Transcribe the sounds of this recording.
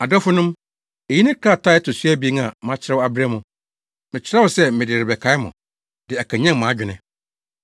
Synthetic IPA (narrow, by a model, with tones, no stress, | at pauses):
a˨dɔ˦fʊ˦nʊ̃˦m | e˨ji˦nɪ̃˦kʰaː˦˨tʰa˦ɛ˦tʊ˨su˦æ˦bi˨i˦ŋã˨m˦ã˦t͡ɕʰɪ˦ɾa˦wa˨bɪ˦ɾa˦mʊ̃˨ | mɪ̃˨t͡ɕʰɪ˦ɾa˦wʊ˨sɛ˦mɪ̃˨dɪ˨ɾɪ˨bɛ˨kʰa˨˦ɪ˦mʊ̰̃˨ | dɪ˨a˨kʰã˨ɲɛ̃˦˨mã˨˦d͡ʑᶣɪ˨nɪ̃˨